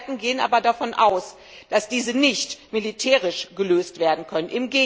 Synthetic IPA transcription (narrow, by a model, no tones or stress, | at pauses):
tn̩ɡeːənʔa̰ːbɐdafɔnʔaʊs | d̥asd̥iːzənɪçtmilitʰɛːʁɪʃɡ̥əløːstv̥eːɐdn̩kʰœnənʔɪmɡeː